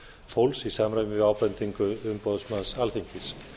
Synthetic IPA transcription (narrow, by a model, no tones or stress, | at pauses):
fowlsisaːmɾajmɪɪvawpɛnt̪iŋkʏʏmpɔðsmansalθiɲcɪs